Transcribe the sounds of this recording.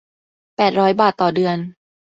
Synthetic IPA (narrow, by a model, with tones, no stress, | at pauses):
pɛː˨˩t̪̚ɾɔː˦˥jbaː˨˩t̪ːɔː˨˩dɯ˨˧ən